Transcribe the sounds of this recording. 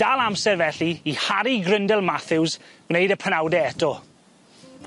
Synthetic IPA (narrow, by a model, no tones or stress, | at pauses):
d̥alˠamsɛrvɛɬiːhaɾiɡrɪndɛlˠmaθɪwzɡ̥nejdəpʰənawdɛɛtɔ